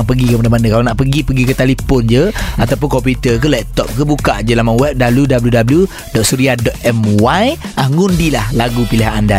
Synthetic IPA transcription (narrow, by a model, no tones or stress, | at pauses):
ŋpəɡikəpadabanəkalanaʔpəɡipəɡikət̪alipɔnd͡ʒəat̪ap̬ʊnkɔmput̪ək̬əlɛt̚t̪ɔp̚kəbukaʔd͡ʒəlamawɛp̚dabljudabəljudabəlju | dɔʔsuɾiadɔt̪̚ɛmwajʔahŋundilahlaɡupiliɦanda